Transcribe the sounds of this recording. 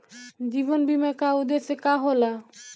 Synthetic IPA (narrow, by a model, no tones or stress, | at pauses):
d͡ʑibonbimakaud̪esekaɦola